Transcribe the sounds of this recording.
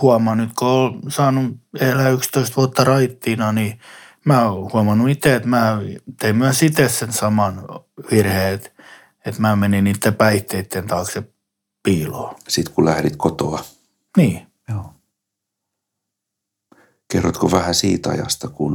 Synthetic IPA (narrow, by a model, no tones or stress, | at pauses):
huɑmɑnyt̪koolsɑːnuelæykst̪oist̪ʋuɑt̪ːɑrɑit̪ːiːnɑni | mæːohuɑmɑnuit̪eet̪mæːt̪eimmyæsit̪essensɑmɑnʋirheːet̪ | et̪mæːmeniniːt̪ːepæiht̪eit̪ːent̪ɑːksep | piːloːsit̪kulæhɾit̪kot̪oɑ | niː | o | kerːot̪koʋæhæsiːt̪ɑ̰jɑ̰st̪ɑkun